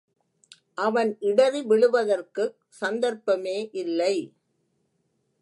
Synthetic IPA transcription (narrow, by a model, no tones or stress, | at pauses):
ʔɐʋɐnɪɽɐɾiʋɪɭɯʋɐðɐrkɯ | sɐnd̪ɐɾpɐmeːʔɪlːɐɪ